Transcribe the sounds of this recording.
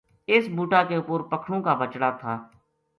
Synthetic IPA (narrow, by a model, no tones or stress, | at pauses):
ɪsbuːʈaːkeʊpoːɾpəkʰɽõːkaːbət͡ʃɽaːt̪ʰaː